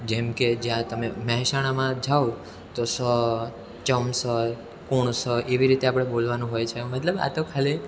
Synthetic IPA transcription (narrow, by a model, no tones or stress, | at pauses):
d͡ʒemked͡ʒjãt̪əmeməɦɛʃaɽ̃amãd͡ʒʱao | t̪osə | t͡ʃəmsə | koɳ̃səʔeʋiɾit̪eapɽ̃ebolʋanũɦojt͡ʃʰemət̪ləba̰t̪okʰale